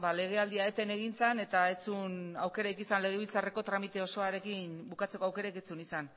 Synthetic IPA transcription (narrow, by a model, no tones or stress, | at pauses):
bale̞ɣ̞e̞ald̪iaet̪e̞ne̞ɣ̞int͡sane̞t̪aet͡sunawke̞ɾaejkisanle̞ɣ̞eβ̞ilt͡sare̞ko̞t̪ɾamit̪e̞o̞so̞aɾe̞kinbukat͡se̞ko̞awke̞ɾaket͡sunisan